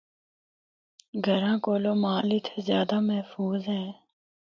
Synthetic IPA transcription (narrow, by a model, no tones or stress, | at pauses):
ɡʱəɾãːkoːloːmaːliːt̪ʰeːzjaːd̪aːmɛɦfuːzɦɛː